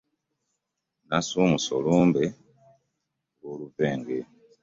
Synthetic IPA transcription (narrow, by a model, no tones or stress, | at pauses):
nasumuso̰loːmbe | ɡoluveːŋɡe